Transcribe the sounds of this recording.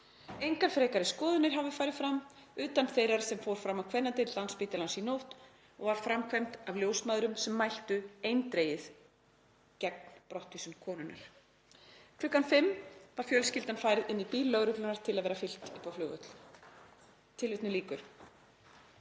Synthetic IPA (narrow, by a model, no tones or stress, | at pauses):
ejŋkanfɾɛːkaɾɪskɔːðʏnɪɾ̥ɦavɪfaːjɾɪðfɾamːʏːt̪anθejɾaɾ̥sɛmfowɾ̥fɾamawkʰvɛnːat̪ɪt̪lanspiːt̪ɪlansinowht̪ | ɔɣvaɾ̥fɾamkʰvajmt̪avljoːwsmaːðɾʏmsɛmːajl̥t̪ʏejnt̪ɾeːjɪð | cɛk̚n̥pɾɔht̪visʏmkʰɔːnʏnːa̰ɾ̥ | kʰlʏkːanfɪmːvaɾ̥fjœlscɪlt̪anfaːjɾɪðɪnːipiːlːœɣɾʏt̪lʏnaɾ̥t̪ʰɪlaðvɛːɾafɪl̥t̪ʏpawflʏɣœ̰t̪l | t̪ʰɪlvɪht̪nʏliːkʏɾ̥